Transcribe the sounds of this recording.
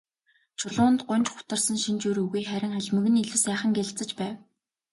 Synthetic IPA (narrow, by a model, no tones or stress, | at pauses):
t͡ɕʰʊɮʊːnt̪ɢʊnʲt͡ɕχʊ̥t̪ə̆rsə̆nʃint͡ɕuɾuɣujχæɾʲɪ̆ŋaɮʲmɵ̆ɣɘ̆niɮŭwsæːχə̆ŋɡeɮɬt͡sə̆t͡ɕpæːw